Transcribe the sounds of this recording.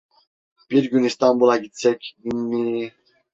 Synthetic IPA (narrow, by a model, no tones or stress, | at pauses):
pʼiɾɡjunist̪ʼambulaɡit͡sʰɛkʰinːi